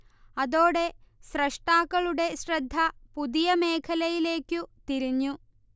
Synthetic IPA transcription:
ɐðo̞ːɽe̞sɾɐʂʈaːkːɐɭuɽe̞ɕɾɐd̪ʱːɐpud̪ijɐmeːkʰɐlɐjile̞ːkjut̪iɾiɲːu

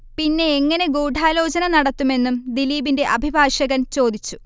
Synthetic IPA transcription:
pinːe̞ːŋːɐne̞ɡuːɖʱaːlo̞ːt͡ɕɐnɐnɐɽɐt̪ːume̞nːumd̪iliːbinde̞ʔɐbʱibʱaːʂɐɣɐnt͡ɕo̞ːd̪it͡ɕːu̥

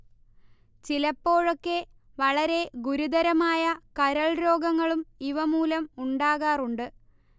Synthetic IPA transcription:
t͡ɕilɐpːo̞ːɻo̞kːe̞ | ʋɐɭɐɾe̞ɡuɾud̪ɐɾɐmaːjɐkɐɾɐɭɾo̞ːɡɐŋːɐɭumiʋɐmuːlɐmuɳɖaːɣaːruɳɖɨ

